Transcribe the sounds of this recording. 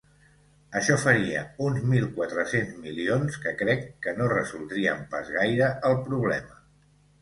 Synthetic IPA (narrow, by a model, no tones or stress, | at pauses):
əʃɔfəɾiə̰unzmilˠkwat̪ɾəsenzmilionskəkɾɛkːənorəzulˠd̪ɾiə̰mpazɣajɾəəlˠpɾuβlɛmə